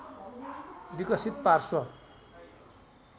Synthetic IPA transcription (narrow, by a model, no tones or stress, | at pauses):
bikʌsit̪̚parsʌ